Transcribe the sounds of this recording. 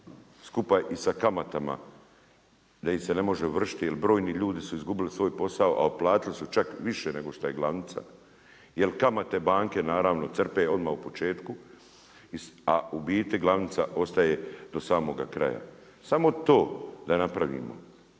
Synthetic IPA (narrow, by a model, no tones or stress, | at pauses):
skupaʔisakamat̪ama̰ | d̪aimse̞ne̞mo̞ʒeuʋr̩ʃi̥t̪jelbɾo̞ːjniʎuːd̪isuizɡubilisʋo̞ːjpo̞saoʔa̰oplˠaːt̪ilisut͡ʃakʋiʃene̞ɡo̞ʃt̪oje̞ɡlˠaʋnɪt̪sa̰ | je̞lkamat̪e̞baːŋke̞naːɾaːʋno̞t̪sr̩peo̞d̪maːupo̞t͡ʃe̞ːt̪ku | iaubiːt̪iɡlˠaʋnɪt̪saʔo̞st̪ajed̪o̞saːmo̞ɡa̰kɾa̰ja̰ | samo̞t̪o̞ːd̪anapɾaʋḭːmo̰